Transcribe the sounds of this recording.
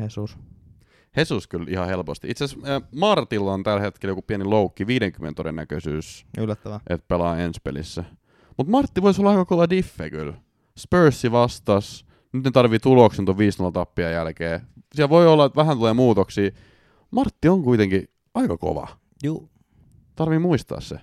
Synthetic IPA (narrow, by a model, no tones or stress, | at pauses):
hesus | hesuskylihɑhelpost̪iʔit̪seæsmɑrt̪ilːɑont̪ælhet̪keljokupiæniloukːiʋiːɾeŋkymḛnḛt̪odḛnːækøsyːsylːæt̪ːæʋæʔet̪̚pelɑːenspḛlḭsːæ | mut̪mɑrt̪ːiʋoisolːɑɑikɑkoʋɑdifːḛky̰l | spøːsːiʋɑst̪ɑs | nyt̪net̪ɑrʋit̪uloksent̪oʋʋiːsnolːɑt̪ɑpːiɑjælkeː | siælʋoiolːɑet̪ʋæhænt̪uleːmuːt̪oksiː | mɑrt̪ːioŋkuit̪eŋki | ɑikɑko̰ʋɑ̰ | juː | t̪ɑrʋimmuist̪ɑ̰ːssḛ